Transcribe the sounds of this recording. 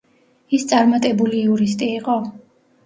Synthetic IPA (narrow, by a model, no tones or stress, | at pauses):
ist̪sʼaɾmat̪ʼɛbuliːuɾis̬t̪ʼiːqʼɔ